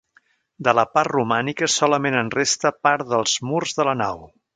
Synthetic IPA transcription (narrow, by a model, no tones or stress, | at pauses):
d̪ələparrumanikəsɔləmenənrest̪əpaɾðəlˠzmurzðələnaw